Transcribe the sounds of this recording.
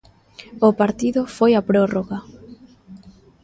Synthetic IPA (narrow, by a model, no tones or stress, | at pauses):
ʊpaɾt̪iðʊfojapɾoroɣa